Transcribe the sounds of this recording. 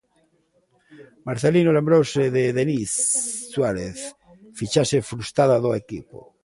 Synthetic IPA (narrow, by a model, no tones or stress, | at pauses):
maɾθelinolembɾowseðeðenisːwaɾeθ | fit͡ʃasefɾust̪aðaðoekḭpo̰